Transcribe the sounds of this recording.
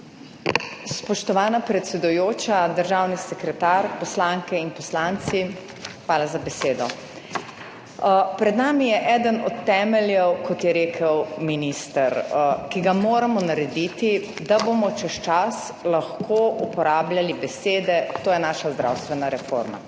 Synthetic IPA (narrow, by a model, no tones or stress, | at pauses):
spɔʃt̪ɔʋaːnapɾɛt̪sɛd̪ujoːt͡ʃad̪əɾʒawnisɛkɾɛt̪aɾpɔslaŋkɛinpɔslant̪si | xʋaːlazabɛseːd̪ɔ | pɾɛd̪naːmijɛʔɛːd̪ənɔt̪ːɛmɛljɛwkɔt̪jɛɾeːkʰəwminist̪əɾkiɡamoːɾamɔnaɾɛd̪it̪id̪abomɔt͡ʃɛst͡ʃas | laxkʰoupɔɾaːbljalibɛseːd̪ɛt̪oːjɛnaʃazd̪ɾa̰wst̪ʋɛnaɾɛfo̰ɾma̰